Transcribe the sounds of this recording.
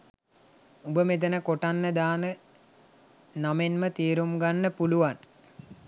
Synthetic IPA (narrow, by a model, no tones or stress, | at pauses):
ubəmed̪ənəkoʈanːəd̪aːnə | namenmət̪iːɾumɡanːəpuluʋan